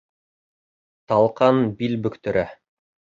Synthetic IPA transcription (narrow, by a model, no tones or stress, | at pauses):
t̪ɑlˠqɑnbilbɵ̆kt̪ɵ̆ɾæ